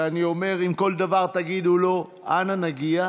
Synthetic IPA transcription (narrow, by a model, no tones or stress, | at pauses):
anio̞me̞ʁimko̞ld̪avaʁt̪aɡid̪ulo̞ | ʔananaɡia